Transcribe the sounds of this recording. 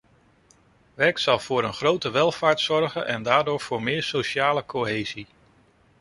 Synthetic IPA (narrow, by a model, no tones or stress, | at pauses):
ʋɛɹksɑlˠv̥ʊːɾənχrowtəʋɛlˠvaːɹtsɔɹɣənʔɛndaːɹdʊːɹv̥ʊːɹmɪːɹsowʃaːləkʰoɦeːzi